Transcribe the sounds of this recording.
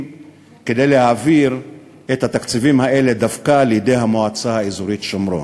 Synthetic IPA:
ke̞de̞jlehaːviʁ | ethat̪akt͡sivimhaʔe̞le̞davkalejede̞jɦamoat͡sahaezuʁitʃomɾo̰

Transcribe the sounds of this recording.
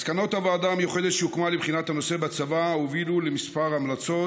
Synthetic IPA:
skano̞t̪avaaːd̪amjoχed̪e̞t̪ʃeukmalebχinat̪hano̞se̞bat͡savaovilulemispaʁamlat͡so

